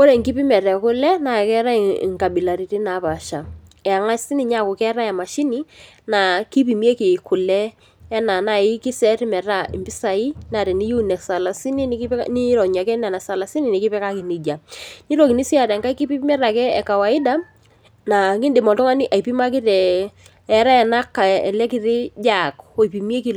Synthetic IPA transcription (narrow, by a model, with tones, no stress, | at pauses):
ko˦ɾɛ˨ŋki˦pi˦mɛ˨ɾɛ˨kʊ˦lɛ˦na˨kɛ˦ɾa̰˦˨ŋka˨bi˨la˨ɾi˨ti˦na˨˦pa˨ʃa˨ɛ˨a˨ŋa˦si˦ni˨ɲa˦˨kʊ˨kɛ˦ɾa˦a˨ma˨ʃi˦ni˦ | na˨ki˦p̬i˨mi˦e˦ki˨kʊ˨lɛ˦ | ɛ˦na˨na˨ɪ˦kɪ˦sɛ˦ɾi˦mɛ˨ɾa˦ɪ˨mbɪ˦sa˨i˦na˨ɾɛ˨ni˦ju˦˨nɛ˨ksa˨la˨si˦ni˦ni˦kni˦ɾɔ˨ɲa˨kɛ˦na˨na˨sa˨la˨si˦ni˨nɪ˨kɪ˦pɛ˦ka˦ki˨ni˨d͡ʒa˨ni˦ɾɔ˨ki˨ni˦si˦a˨ɾɛ˨ŋka˦i˦ki˦pi˦mɛ˦ɾa˨kɛ˦ɛ˨ka˨wa˨ɪ˦da˦ | na˨kɪ˦ndɪ˨mɔ˨tɔ˦ŋa˦nɪ˦ʔa˨jpi˦ma˦k̬ɪ˦ɾɛ˨ | ɛ˨˦ɾa˦ɛ˨na˦kːa˨ɛ̰˨lɛ˦kɪ˦ɾɪ˦d͡ʒa˦˨ko˨jpi˨mje˦ki˨